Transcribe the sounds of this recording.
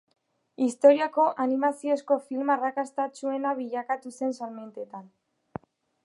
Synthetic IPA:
ist̪o̞ɾiako̞ʔanimasio̞sko̞filmarakast̪at͡sue̞naβiʎakat̪use̞nsalme̞nt̪e̞t̪an

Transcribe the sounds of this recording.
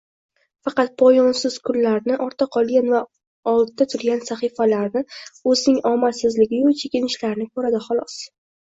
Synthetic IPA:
fɑqɑt̪̚pʰɒjɒnsɪz̥kʰʊlːaɾnɪʔɒɾt̪ʰaqʰɒlˠɡʲanva | ɒlˠd̪̚d̪at̪ʰʊɾɡʲansaχɨfalaɾnɪɵzɪnɪŋɒmasɪzlɪɡʲɪjot͡ʃʰe̞kʲɪnɪʃlaɾnɪkʰɵɾad̪ɪχɒlˠɒs

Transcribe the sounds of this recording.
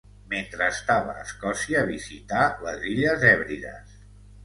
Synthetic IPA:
ment̪ɾəːst̪aβə̰ːskɔsiəːβizit̪aləziʎəzɛβɾiðə̰s

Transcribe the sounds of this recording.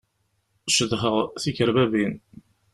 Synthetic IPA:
ʃəðhəʁθiçəɾbævin

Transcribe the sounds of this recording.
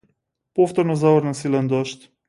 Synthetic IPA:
pɔft̪ɔɾnɔzavəɾnasilɛnd̪ɔʃt̪

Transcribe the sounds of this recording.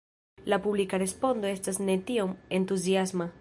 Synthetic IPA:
lapublikaɾe̞spo̞ndoe̞stasnet̪iome̞nt̪uziasma

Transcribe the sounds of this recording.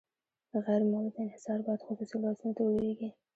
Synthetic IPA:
ɣajɾmalad̪aɪnhɪsɑɾbɑjad̪xʊsusilɑsunt̪awəlɾeɡi

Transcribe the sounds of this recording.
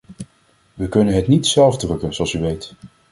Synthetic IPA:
ʋəkɵnənɦɛtnitsɛlˠvdrɵkənzoɑlˠsyʋejt

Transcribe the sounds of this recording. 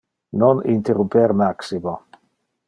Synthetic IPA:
nonint̪erumpeɾmaksimo

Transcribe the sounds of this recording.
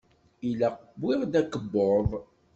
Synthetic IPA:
ilæqəbːiʁd̪ækəbːoðˤ

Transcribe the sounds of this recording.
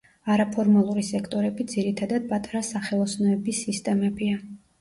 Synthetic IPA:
aɾapʰɔɾmalˠuɾisɛkʰt̪ʼɔɾɛbid̪ziɾit̪ʰad̪ad̪̚pʼat̪ʼaɾasaχɛlˠɔsnɔɛbisːist̪ʼɛmɛbia

